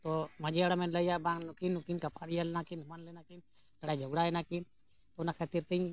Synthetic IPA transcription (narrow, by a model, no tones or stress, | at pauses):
t̪omad͡ʒiaɽamenləijabãŋnukinːukinkɐpʰaɾijalnakinumanlenakin | kəɽad͡ʒʱoɡɽaɛnakin | t̪ounakʰet̪iɾt̪iĩ